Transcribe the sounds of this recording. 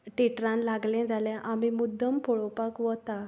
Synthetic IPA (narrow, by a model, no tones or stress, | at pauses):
ʈeʈɾãnlaɡlɛ̃d͡zalãʔamimud̪ʱːəmpɔɭopakʋət̪a